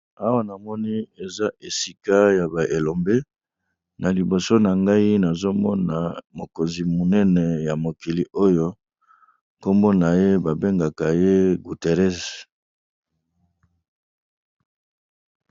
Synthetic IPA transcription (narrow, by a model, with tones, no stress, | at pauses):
a˦wa˦na˨mɔ˦ni˦e˨za˦ʔe˨si˦ka˦ja˨ba˨ʔe˨lo˨mbe˦ | na˨li˨bo˨so˦na˨ŋɡa˦i˦na˨zo˦mɔ˦na˨mo˨ko˨nzi˨mu˨nɛ˦nɛ˨ja˨mo˨ki˨li˨ʔo˦jo˦ | ko˦mbo˦na˨je˦ba˨be˦ŋɡa˨ka˨je˦ɡu˨te˨ʁɛ˦s